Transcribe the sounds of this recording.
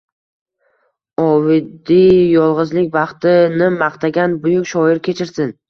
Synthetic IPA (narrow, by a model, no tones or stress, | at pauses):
ɒvɪd̪ijɒlˠʁɨzlɪkʲvɑχt̪ɪnɪmɑqt̪ʰaɡʲanbʊjʊkʲʃɒɪɾkʲʰe̞t͡ʃʰɪɾsɪn